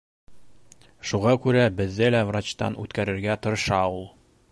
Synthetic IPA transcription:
ʃuʁɑkʉɾæbɘ̆ðːɘlævrat͡ɕt̪ɑ̰nʉ̰t̪kæɾɘ̆ɾɡæt̪ŏɾɤ̆ʃɑulˠ

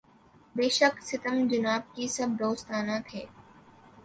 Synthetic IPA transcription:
beːʃəksɪt̪əmd͡ʒʊnaːb̚kisɐb̚d̪oːst̪aːnãt̪ʰeː

